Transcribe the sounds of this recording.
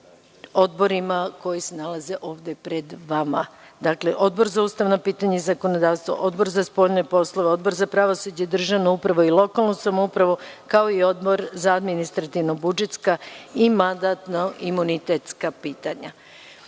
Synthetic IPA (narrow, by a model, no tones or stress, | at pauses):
o̞d̪bo̞ɾimako̞jise̞nalˠaze̞ʔo̞ːʋd̪epɾe̞d̪ʋama̰d̪akle̞ʔo̞d̪̚bo̞ɾzauːst̪aʋnopiːt̪aɲaizako̞no̞d̪aːʋst̪ʋo̰ʔo̞d̪bo̞ɾzaspo̞ːʎnopo̞slˠo̞ʋeo̞d̪bo̞ɾzapɾaʋo̞sud͡ʑed̪r̩ʒaʋnoupɾaʋo̞ilˠo̞kalˠnosamoupɾaʋo̞kao̞io̞d̪bo̞ɾzaad̪minist̪ɾat̪iʋno̞bud͡ʒe̞t̪skaimand̪at̪noimunit̪et̪skapiːt̪aɲa